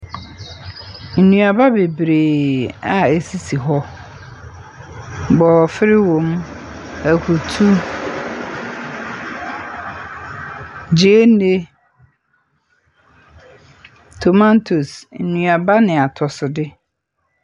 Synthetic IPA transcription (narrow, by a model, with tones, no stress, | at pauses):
n̩˨nũ˨a˨ba˦be˨bɾeː˨a˨e˨si˦si˨ɦɔ˦ | bɔː˨fɪ˦ɾɪ˦wõ˨m | æ˨kʰu˨tʰu˦ | d͡ʑe˦e˦nː˦e˦ | tʰo˨mã˦ntʰo˨sn̩˨nũ˨a˨ba˦nɪ̃˨a˨tʰɔ˨sʊ˨dɪ˦